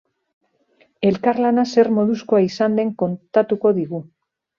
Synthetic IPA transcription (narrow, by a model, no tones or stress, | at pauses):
e̞lkaɾlanase̞ɾmo̞ðusko̞aisand̪e̞ŋko̞nt̪at̪uko̞ðiɣu